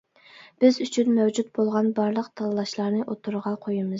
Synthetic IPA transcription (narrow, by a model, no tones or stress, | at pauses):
b̥ɪzyt͡ʃʰynmæwd͡ʒut̪̚bolˠʁɑnbɑɾlˠəqt̪ʰɑlˠɨlˠɑʃlˠɑɾnɨʔot̪ʰuɾʁɑqʰojimɨz̥